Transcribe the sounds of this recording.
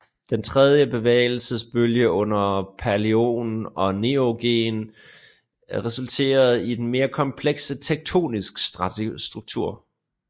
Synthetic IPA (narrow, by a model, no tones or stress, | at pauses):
d̥ent͡sʰʁɛð̞ˠjəbe̝ʋḛːɪl̩səsb̥øljəʔɔ̽n̰ɐpʰæɐlio̝̰ːnɒ̽ne̝oɡ̥e̝̰ːn | ʁɛsult͡sʰe̝̰ːɐð̞̩ˠid̥en̩me̝ːɐkʰɒ̽mpʰleɡ̥sət͡sʰeɡ̥̚t͡sʰo̝̰ːnisɡ̥ssd̥ʁuɡ̥̚t͡sʰuɐ̰